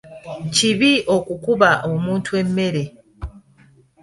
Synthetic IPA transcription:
ciβiʔo̞kukuβaʔomuːntue̞mːe̞ɾe̞

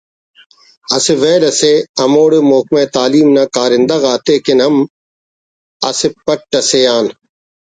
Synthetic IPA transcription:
ɐsɪʋeːlɐseːɐmoːɽeːmoːkmẽːt̪aːliːmnaːkaːɾɪnd̪ɐɣaːt̪eːkɪnɦɐm | ɐ̰sɪpɐʈːɐseːaːn

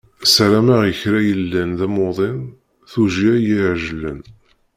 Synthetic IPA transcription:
sɾæmaʁjəçɾæjəlːænðæmoðˤɪn | θuʒiæjiʕʒəlːən

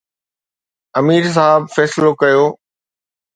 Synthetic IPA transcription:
ɐmiːɾs̬aɦbfɛːslokɐjoː

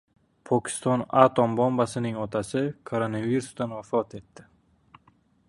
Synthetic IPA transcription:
pʰɒkʲʰɪ̥st̪ɒnat̪ʰombɒmbasɪnɪŋɒt̪ʰasɪkʰoɾonaviɾusd̪anwafɒt̪ʰe̞t̪ːɪ

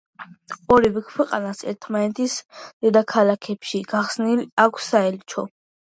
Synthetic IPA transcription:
ɔɾivɛkʰwɛqʼa̰nasɛ̰ɾt̪ʰmanɛt̪ʰisd̪̥ɛd̪akʰalakʰɛpʃiɡaχsnilakʷʰsːaɛlt͡ʃʰɔ

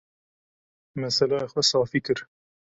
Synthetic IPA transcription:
mɛsɛlɑːjexwɛsɑːfiːkɨɾ

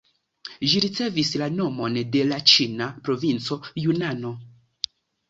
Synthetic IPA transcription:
ʒiɾit͡se̞vislano̞mo̞nde̞lat͡ʃinapɾo̞vint͡so̞junano̞

